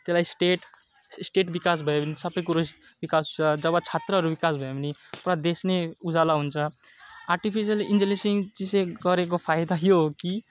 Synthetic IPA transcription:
t̪elaisʈeʈ | sʈeʈbikas̬bʱʌebnisʌbəjkuɾos | bikasut͡sʌd͡ʒʌbat͡ʃʰat̪ɾəɦʌɾubikasbʱʌebnipɾad̪esneud͡ʒalaɦunt͡ʃʰʌ | aɾʈipʰis̬iəlind͡ʒelesiŋt͡ʃiseɡʌɾek̬opʰajd̪aɦjoɦki

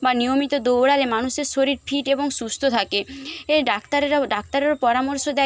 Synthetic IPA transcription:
banijomit̪od̪owɽaɾemanuʃeɾʃoɾiɾfʰiʈeboŋsust̪ʰot̪ʰakeeɖakt̪aɾeɾaɖak̚t̪aɾeɾpɔɾamoɾʃod̪ɛ

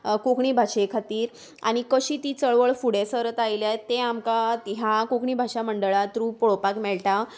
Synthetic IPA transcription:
kokɳiːbʱaɕekʰat̪iːɾ | a̰ɽ̃ikəɕiːt̪iːt͡səɭʋəɭfuɽesəɾət̪ailjajt̪ːeamkat̪ɦakokɳiːbʱaɕaməɳɖəɭat̪ɾũpoɭopakmɛɭʈa

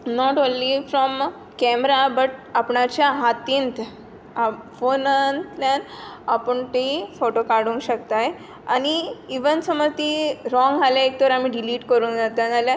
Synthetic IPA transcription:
nɔʈõnlifɾɔm | kɛmɾabəʈapɳat͡ɕjaɦat̪int̪ | afonənt̪lanapəɳt̪efoʈokaɾɽũŋkɕəkt̪aj | aniːʋənsəməɾt̪iɾɔ̃ŋɡɦaljaek̚t̪ɔɾamiɖiliːʈkəɾũnd͡zat̪ad͡zalja

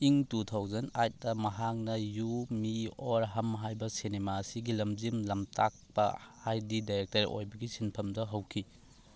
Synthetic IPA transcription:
iŋtutʰawzɐnajt̚dɐmɐɦak̚nɐjumioɾɦɐmɦajbɐsinemaɐsiɡilɐmd͡ʒimlɐmtʰak̚pɐ̰hajdidajɾek̚tɐɾḭʔo̰jbɐɡisinpʰɐmdɐɦɐwkʰi

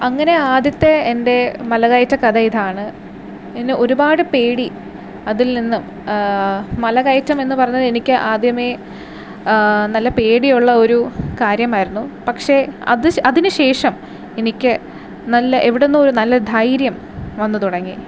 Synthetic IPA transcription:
ɐŋːɐne̞aːd̪jɐt̪ːe̞ːnde̞mɐlɐɣɐjtːɐkɐd̪ɐjid̪aːɳɨ | enːeo̞ɾubaːɽɨpe̞ːɽi | ɐðilninːum | ɐlɐɣɐjtːɐme̞nːɨpɐrɐjɲːɐðe̞nikʲːɨʔaːd̪jɐme̞ | nɐlːɐpe̞ːɽijuɭːɐo̞ɾukaːɾjɐmaːjiɾunːupɐkʂe̞ɐ̰ðɨɐðinɨɕe̞ːʂɐm | e̞nikʲːɨ | nɐlːɐʔeʋiɽenːumoɾunɐlːɐd̪ʱɐjɾjɐm | ʋɐnːɨt̪uɽɐŋːḭ

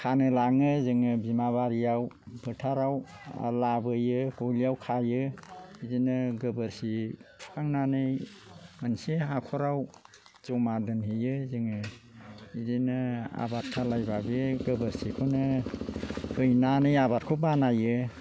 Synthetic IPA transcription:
kʰanɯlaŋɯzɯŋɯbimaβaɾijaw | bʱɯtʰaɾawa̰labɯjɯholijawkʰajɯidinɯɡɯbɯɾsipʰaŋnanɯjmanseakʰɔɾaw | zɔmadɯnɦɯjɯzɯŋɯ | idinɯa̰bat̚kʰalajbabeɡɯbəɾsikʰonɯ | hʰɯjnanɯjabat̚kʰobanajɯ

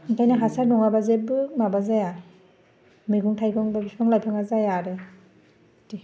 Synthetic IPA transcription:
iŋkʰajnaɦasaɾnɔŋabazebɯmabazaja | mɯjɡuŋtʰajɡɔŋbabisbaŋlajpʰɯŋazajaɾe | ti

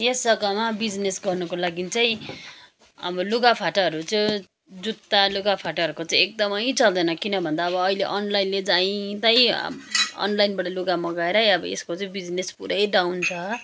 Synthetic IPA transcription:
jesʌɡʌmabid͡znesɡʌrnʌkolaɡit͡saĩ | ʌ̰bʌluɡapʰaʈʌʌɾut͡sa | d͡zut̪ːaluɡapʰaʈʌʌrɾukot͡saĩek̚d̪ʌmʌjt͡sʌld̪ʌjnʌkinʌbʱʌnd̪aːbʌːileʔʌnlajnled͡zaĩt̪ʌj̰̃ | ʌ̰nlajnbaʈʌluɡamʌɡaeɾʌjʌbʌḛskot͡sʌĩbid͡znespuɾʌjɖawnt͡sʰʌ

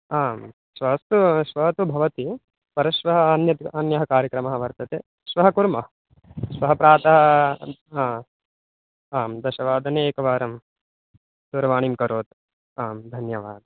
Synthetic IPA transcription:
aːm | ʃʋɐɦɐst̪uʃʋɐɦɐt̪ubʱɐʋɐt̪i | pɐɾɐʃʋɐɦɐɐnjɐt̪ɐnjɐɦɐkaːɾjɐkɾɐmɐɦɐʋɐɾt̪ɐt̪eː | ʃʋɐɦɐkuɾmɐɦɐ | ʃʋɐɦɐpɾaːt̪ɐɦɐ | aː | aːmd̪ɐʃɐʋaːd̪ɐneeːkɐʋaːɾɐm | d̪uɾɐʋaːɳimkɐɾoːt̪ | aːmd̪ʱɐnjɐʋaːd̪ɐ

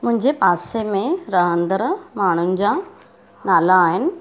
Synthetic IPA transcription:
mʊ̃ɦɪ̃ɲd͡ʑepaːsemẽɾɐɦə̃nd̪əɾmaːɳ̤ʊnɪ̆d͡ʑa | naːlaːɦɪnɪ̆

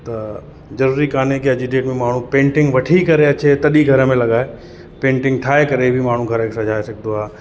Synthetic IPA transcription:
t̪ɐ | d͡ʒɐɾuːɾikaːnekeɐd͡ʒiɖeːʈmẽmaːɳ̤ũpẽːɳʈɪ̃ŋɡʋɐʈʰikɐɾeɐt͡ɕʰet̪ɐɗiɡʱɐɾəmẽlɐɠaːe | pẽːɳʈɪ̃ŋɡʈ̪ʰaːekɐɾebʱimaːɳ̤ũɡʱɐɾəkʰesɐ̃d͡ʒʱaːesɐk̚ʰnd̪oaː

